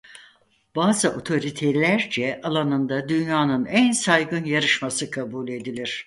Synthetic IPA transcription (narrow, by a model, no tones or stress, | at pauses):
baːzɯʔo̞t̪ʰo̞ɾit̪ʰelʲæɾd͡ʒɛʔalˠanɯnd̪ad̪ynjaːnɯnænsajɡɯnjaɾɯʃmasɯkʰabuːlʲe̞d̪ilʲiɾ̥